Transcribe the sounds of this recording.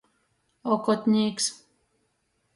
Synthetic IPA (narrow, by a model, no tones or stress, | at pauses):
okot̪niːks